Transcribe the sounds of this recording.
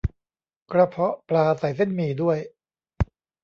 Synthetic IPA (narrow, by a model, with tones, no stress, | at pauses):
kɾa˧pʰɾɔ˦˥ʔplaː˧sa˨˩˦js̬e˥˩nmiː˨˩du˥˩əj